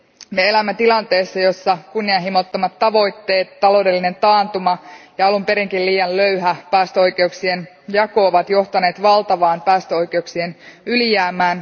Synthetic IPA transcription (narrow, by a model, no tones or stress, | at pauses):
mee̞læmːet̪ilɑnt̪e̞ːsːɑjo̞sːɑkunːiɑnɦimot̪ːomɑt̪ːɑʋo̞jt̪ːe̞ːt̪ːɑlo̞ːde̞lːine̞nt̪ɑːnt̪umɑjɑɑlumpe̞ɾiŋkilliːjɑllø̞yɦæpæːst̪øo̞jke̞uksie̞n | jɑko̞ːʋɑt̪jo̞ht̪ɑne̞ːt̪ʋɑlt̪ɑʋɑːnpæːst̪øo̞jk̟e̞uksie̞nylijæːmæːn